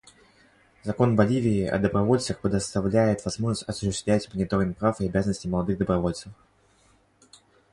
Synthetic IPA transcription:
zɐko̞nbɐlʲivʲɪːɐ̰d̪əbɾɐvo̞lʲt̪səxpɾʲɪd̪əst̪ɐvlʲæjɪt̪vɐzmo̞ʐnəsʲtʲɐsʊɕːɪst̪vlʲætʲmənʲɪt̪o̞ɾʲɪn̚pɾafɪɐbʲazənəsʲtʲɪməlˠɐd̪ɨɣd̪əbɾɐvo̞lʲt̪səf

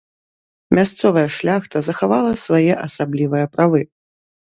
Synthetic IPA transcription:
mʲast̪sɔvɐjɛʂlʲaxt̪ɐzɐxavalˠɐsvajɛʔɐsablʲivɨjɐpɾavɨ

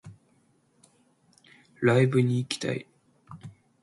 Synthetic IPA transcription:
laibɯ̟ɲ̟iːkʲi̥t̪a̰ḭ

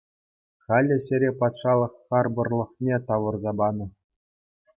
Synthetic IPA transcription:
χɑlʲːɘ̆ɕʲeɾʲepɑt̪ʂɑlˠɤ̆χːɑrbɤ̆rlˠɤ̆χnʲet̪ɑʋɤ̆rzɑbɑnɤ̆

